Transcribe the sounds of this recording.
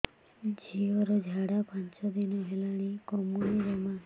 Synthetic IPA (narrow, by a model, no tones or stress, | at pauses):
d͡ʒʱiɔɾɔd͡ʒʱaɽapant͡ʃɔd̪inɔɦelaɽ̃ikɔmuniɾɔma